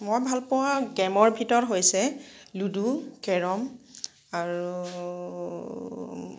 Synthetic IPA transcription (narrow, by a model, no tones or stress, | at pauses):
mojbʱalpɔwaɡɛmɔɹbʱitɔɹɦojsɛludukɛɹɔm | aɹu